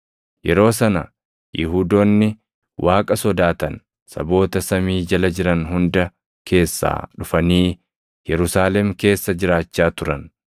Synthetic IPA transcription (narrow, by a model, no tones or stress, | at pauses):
jɛɾo̞ːsɐnɐ | jɪɦuːd̪oːnːɪ | wʔaːkʼɐsɔd̪aːt̪ɐn | sɐ̰bo̞ːt̪ɐsɐmiːd͡ʒɐlɐd͡ʒɪɾɐnɦʊnd̪ɐ | kʰe̞ːsːa̰ːᶑʊfɐniː | jɛɾʊsaːlɛmke̞ːsːɐd͡ʒɪɾaːt͡ʃːaːt̪ʊɾɐn